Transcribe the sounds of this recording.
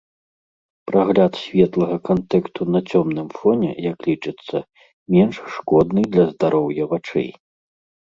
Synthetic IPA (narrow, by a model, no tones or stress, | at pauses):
pɾaɣlʲat̪sʲvʲɛt̪lˠɐɣɐkant̪ɛkst̪ʰunɐt͡sʲɔmnɨmfɔnʲɛ̰jɐklʲit͡ʂɨt̪sːɐ | mʲɛnʂʂkɔd̪nɨd̪lʲɐzd̪aɾɔwjɐvat͡ʂɛ̰j